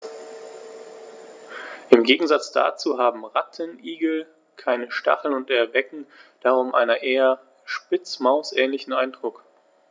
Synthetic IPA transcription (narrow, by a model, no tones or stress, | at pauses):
ʔɪmɡeːɡŋ̩zat͡sd̥a̰ːt͡suːɦaːbm̩ʁatʰənʔiːɡl̩ | kʰaɪnəʃta̰χl̩nʊntɛɐvɛkŋ̩d̥aːʁʊmʔa̰ɪnɐʔeːɐ | ʃpɪt͡smaʊsʔɛːnlɪçn̩aɪndʁʊk